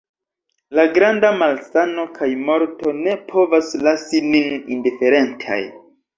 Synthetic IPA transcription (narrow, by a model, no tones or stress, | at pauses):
laɡɾandamalsano̞kʰajmo̞ɾto̞ne̞pʰo̞vaslasininḭndife̞ɾe̞ntʰa̰j